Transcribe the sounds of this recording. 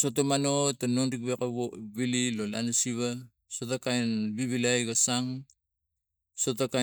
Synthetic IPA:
sotomano̞tanonɾik̚βekaβoβililolanasiβa | sotakainbiβilajɡasaŋ | sotaka

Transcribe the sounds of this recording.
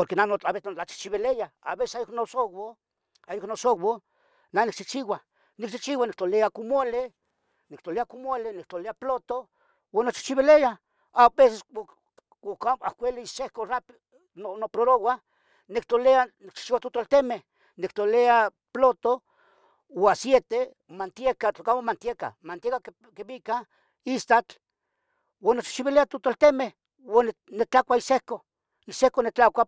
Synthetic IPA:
poɾkenanot͡ɬaβesnot͡ɬat͡ʃi̥t͡ʃiβelejaa̰βesesajoknosowo | ajoknosowo | nanik̚t͡ʃit͡ʃiwa | nik̚t͡ʃiht͡ʃiwanik̚t̪oleakumole | nikt̪oleakumolenik̚t͡ɬ̪oleaplot̪o | wanot͡ʃi̥ht͡ʃiβeleja | abes̬es | okaakʷeliisʃehkorap | nonopɾoɾowa | nek̚t̪oleanik̚t͡ʃt͡ʃiwat̪ot̪olt̪emeh | nek̚t̪olea | plot̪o | wasjet̪e | mant̪jekat͡ɬokamomant̪jeka̰mant̪jeka | keβika | ist̪at͡ɬ | wanot͡ʃi̥t͡ʃiβileat̪ot̪olt̪emeh | wannet͡ɬakʷaisehko | isehkonet͡ɬakʷa

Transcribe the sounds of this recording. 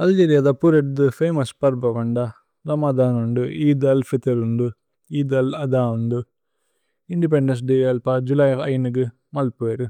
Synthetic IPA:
ɐld͡ʒeːɾijad̪ɐpuɾeʈ̚d̪ɯfeːmɐspɐɾbɐʋɐɳɖa | ɾɐmad̪aːnuɳɖuiːd̪ɐlfit̪eɾuɳɖu | iːd̪ɐlɐd̪aːuɳɖu | iɳɖip̬eɳɖɐns̬ɖeɐlpad͡ʒulajɐjnɯk̬ɯ | mɐlpueɾɯ

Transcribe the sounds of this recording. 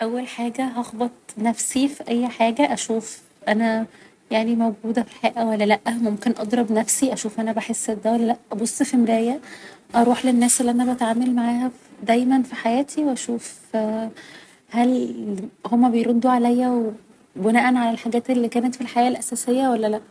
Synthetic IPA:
ʔæwːælħaːɡæɦɑxbet̪̚ˤnæfsifiʔæjːħaːɡæʔæʃuːf | ʔænæ | jaʕnimæwɡuːd̪æfilħeːʔæwælːælæʔːmomkenʔɑd̪ˤɾˤɑbnæfsiʔæʃuːfʔænæbaħesːed̪æwælːælæʔʔɑbosˤːxemɾæːjæʔɑɾˤuːħlenːæːsʔelːiʔænæbæt̪ʕaːmælmaʕaːhæd̪æjmænfiħajæːt̪ʰiweʔæʃuːf | hæl | homːæbejɾod̪ːuʕalæjːæwe | benæːʔænʕalælħaɡæːt̪elːikæːnæt̪filħajæːʔlʔæsæːsejːæwælːælæʔ

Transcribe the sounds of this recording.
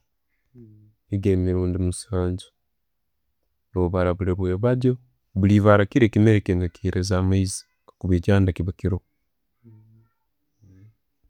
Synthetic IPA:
iɡemiɾuːndimusaːɲd͡ʒḁ | oβaɾaβuɾeɾweːβadjo | βuliβaɾakiɾekimeɾekeŋɡakiɾʔezaːmaizi̥ | kakuβecaːndakiβakiɾo

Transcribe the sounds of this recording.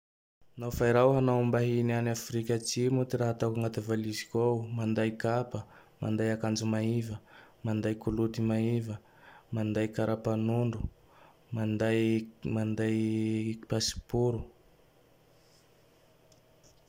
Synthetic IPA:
nawfaiɾawɦanawumbaɦinianafɾikʲət͡ʃimut̪iɾaɦat̪akaŋat̪evalizikʲowmand̪ajkapə | ma̰nd̪ajakand͡ʒumaivəmand̪ajkulut̪imaivə | mand̪ajkaɾʔapanuɳɖ͡ʐu | mand̪ajmand̪ajpasi̥puɾu

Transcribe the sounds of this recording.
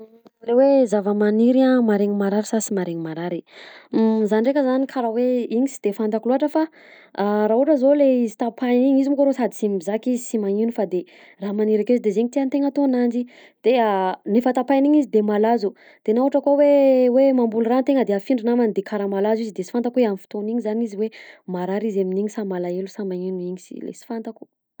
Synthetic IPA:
rewezavəmaniɾamaɾeŋimaɾaɾisasimaɾeɲimaɾaɾi | zanirekʲəzanikʰaɾaweiɲisi̥d̪̥efand̪akuluaʈ͡ʂəfa | ɾaɦuʈ͡ʂəzoleizit̪apʰaniɲizimkoɾosad̪isimizakizisimaninufad̪e | ramaniɾakezid̪ezeɲit̪iant̪eŋat̪onand͡ʒi | d̪̥eanifat̪apajniɲizid̪emalazu | d̪̥enauʈ͡ʂakowewemambulurant̪eŋəd̪eafiɳɖ͡ʐinamand̪ekʰaɾamalazizid̪esi̥fant̪akueamifi̥t̪oniɲizaniziwemaɾaɾizaminiɲisamalaelusamaɲinuiɲisi̥̰lḛsi̥fant̪aku̥

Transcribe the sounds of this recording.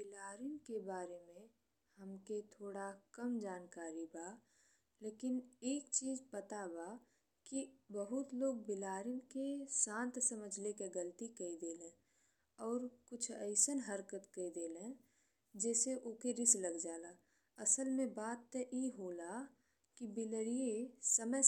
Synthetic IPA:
bɪlaːɾɪnkebaːɾemẽ | həmket̪ʰoːɽakəmd͡ʒaːnkaːɾibaː | leːkɪneːkt͡ʃiːzpət̪abaː | kibəɦʊt̪loːɡbɪlaːɾɪnkesãːnt̪səməd͡ʒʱlekeɡəlt̪ikəid̪eːlẽː | ɔːɾkʊt͡ʃʰəɪsənɦəɾkət̪kəid̪eːlẽ | d͡ʒɛːseʔokeɾɪsləɡd͡ʒaːla | ɐsəlmẽbaːt̪ːeʔeɦoːla | kibɪləɾijesəmə

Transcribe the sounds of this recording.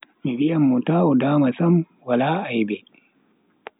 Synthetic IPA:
mibijamːutaːudaːmasam | walaːajbɛ

